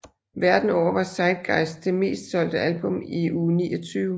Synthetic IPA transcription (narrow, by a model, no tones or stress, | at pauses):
ʋæɐd̥n̩ɒʊ̰ɐʋɑ̈sɑ̈ɪd̥̚ɡ̥ɑ̈ɪsd̥e̝me̝̰ːsd̥sɒ̽l̰d̥əʔælb̥ɔ̽miuːniːɒt͡sʰyːʊ